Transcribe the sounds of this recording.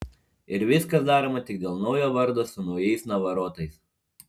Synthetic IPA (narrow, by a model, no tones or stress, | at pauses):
ɪɾʋʲɪskɐsd̪ɑːɾoːmɐt̪ʲɪɡ̚d̪ʲeːlˠnɒʊjoːʋɐɾd̪oːsʊnɒʊjɛɪsnɐʋɐɾoːt̪ɐɪs